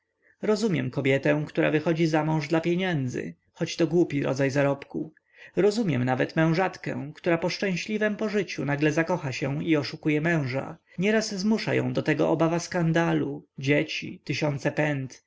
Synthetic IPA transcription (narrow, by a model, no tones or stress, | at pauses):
ɾɔzumʲjɛmkɔbʲjɛt̪ɛ̃w̃kt̪uɾa̰vɘxɔd͡ʑizamɔ̃w̃ʐd̪lapʲjeɲɛnd̪zɘ̰ | xɔt͡ɕt̪ɔɡwupʲiɾɔ̰d̪zajzaɾɔpku | ɾɔzumʲjɛ̰mnavɛt̪mɛ̃w̃ʐat̪kɛ̰̃kt̪uɾapɔʂt͡ʂɛ̃w̃ɕlʲivɛmpɔʐɘt͡ɕunaɡlɛzakɔxaɕɛiɔʂukujɛmɛ̃w̃ʐa̰ | ɲɛɾaszmuʂa̰jɔ̰̃w̃d̪ɔt̪ɛɡɔʔɔbavaskand̪alud͡ʑet͡ɕḭt̪ɘɕɔnt̪sɛpɛnt̪